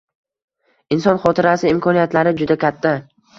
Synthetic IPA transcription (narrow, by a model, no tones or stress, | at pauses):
ɪnsɒnχɒt̪ʰɪɾasɪɪmkʰɒnijat̪laɾɪd͡ʒʊd̪akʲʰat̪ʰːa